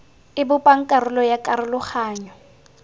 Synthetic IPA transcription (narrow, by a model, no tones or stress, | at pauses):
ɪbʊpʼaŋ̩kʼaɾʊlɔjakʼaɾʊlʊχaːɲɔ